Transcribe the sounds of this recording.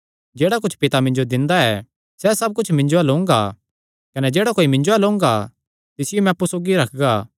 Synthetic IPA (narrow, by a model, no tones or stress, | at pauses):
d͡ʒeːɽak̬ʊt͡ʃʰpɪt̪amɪ̃nd͡ʒod̪ɪ̃nd̪aɛ | sɛsɐb̚kʊt͡ʃʰmɪ̃ɲd͡ʒoɐlõʊ̃ŋɡa̰ | kɐnɛd͡ʒeːɽakoːimɪ̃ɲd͡ʒoɛlõːʊ̃ŋ̆ɡa | t̪ɪsɪjomɛ̃ɐpːusoːɡiɾɐkʰɡaː